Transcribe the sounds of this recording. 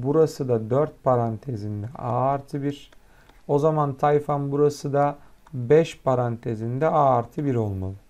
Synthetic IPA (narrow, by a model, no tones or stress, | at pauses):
buɾasɯd̪ad̪øɾt̪̚pʰaɾant̪ʰezind̪ɛaɾt̪ʰɯbiɾ | o̞zamant̪ʰajfanbuɾasɯd̪abɛʃpʰaɾant̪ʰezind̪ɛaːɾt̪ʰɯbiɾo̞lˠmalˠɯ